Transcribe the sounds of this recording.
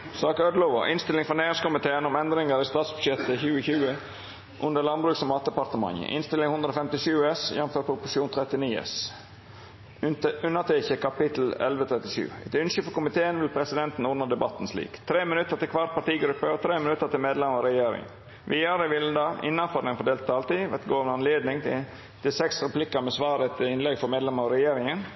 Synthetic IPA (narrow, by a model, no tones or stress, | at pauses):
sɑːkœd̪lɔʋɔ̰ʔɪnst̪ɪlɪŋfɔɾneːɪŋskʊmɪt̪ʰeːənɔmɛnd̪ɾɪŋəɾɪst̪ɑːt̪sbʉ̥ʂɛt̪ːəçʉːəçʉːə | ʔʉnd̪əlɑnbɾʉːksɔmɑːt̪̚d̪ɛpɑɾt̪əmɑ̰ŋːə̰ʔɪ̰nst̪ɪlɪŋhʊnd̪ɾəɔfɛmt̪ɪʃʉːɛsjɛnføːɾpʰɾʊpʊʂɪuːnt̪ʰɾɛt̪ɪniːɛ̰s | ʉnːət̪ʰɛçəkʰɑpɪt̪l̩ɛ̰lʋət̪ʰɾɛt̪ːɪʃʉ̰ːɛ̰t̪ʉnsʏfɔkʊmɪt̪ʰeːənʋɪlpʰɾɛsɪd̪ɛnt̪n̩ɔnəd̪ɛbɑt̪ːn̩slḭːkt̪ʰɾeːmɪnʉt̪ːəɾt̪ɪlkʰʋɑʈ̪̚pɑʈiːɡɾʉpːəɔt̪ʰɾeːmɪnʉt̪ːət̪ʰɪlmeːd̪lɛmɑɾɛjeːɾɪ̰ŋ | ʋiːɑːɾəɪʋɪld̪ɑːɪ̰nːɑfɔːd̪ənfɔɖ̪eːlt̪ʰːɑlt̪iːʋɛt̪ɡoːʋənəɑnleːd̪nɪŋ | t̪ʰɪsɛksɾɛplɪkəmɛsʋɑːɾət̪ʰɪɪnlɛɡfɔɾmeːd̪lɛməɾɑɾɛjeːɾɪŋən